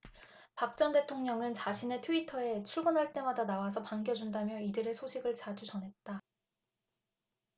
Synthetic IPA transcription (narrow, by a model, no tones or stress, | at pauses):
pak̚t͡ɕ͈ʌnde̞tʰoŋɲʌŋɯnt͡ɕaɕʰine̞tʰuitʰʌe̞t͡ɕʰuɭɡʌnɦaɭt͈e̞madanawas̬ʰʌpaŋɡjʌd͡ʑundamjʌidɯɾe̞sʰoɕʰiɡɯɭt͡ɕad͡ʑud͡ʑʌnɦe̞t̚t͈a